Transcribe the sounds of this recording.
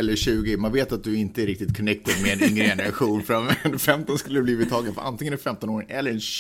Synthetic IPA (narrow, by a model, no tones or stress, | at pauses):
ɛlːəɕʉ̟ːɡɪmanveːt̪at̪̚d̪ɵɪnt̪əæɾɪk̚t̪ɪt̪̚kʰɔnɛk̚t̪əd̪mɛːnɪŋɾəɛnəɾaɧuːnfɾanfɛmt̪ɔnskɵlːəɾɛbliːvɪt̪ʰːɑːɡənfœɾʔa̰nt̪ɪŋənɛɾfɛmt̪ɔnoːɾɪŋɛlːəɾɛnɕ